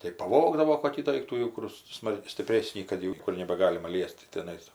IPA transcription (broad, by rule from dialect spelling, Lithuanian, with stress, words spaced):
tɐɪ pɐˈʋoːɡdɐʋoː koːˈkʲiː ˈdoːɪktuː ˈjɛʊ kʊr ˈsmɐlˠ sʲtʲɪpʲˈrʲeːsʲnʲiː kɐt jɛʊ ˈnʲiɛkʊr nʲɛbɐɡɐlʲɪmɐ ˈlʲiɛsʲtʲɪ tʲɪˈnɐɪs